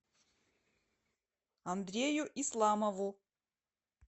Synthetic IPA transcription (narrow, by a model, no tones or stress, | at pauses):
ɐnd̪ɾʲejʊʔislˠamɐvu